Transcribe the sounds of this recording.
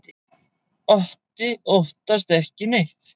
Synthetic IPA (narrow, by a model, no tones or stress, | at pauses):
ɔht̪ɪoht̪ast̪ɛhcɪnejçt̪